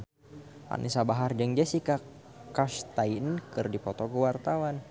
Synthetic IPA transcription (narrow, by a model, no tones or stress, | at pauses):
a̰nʔisabaɦard͡ʒəŋd͡ʒasika | kaʃt̪ajnkɨrdipɔt̪ɔkəwart̪awan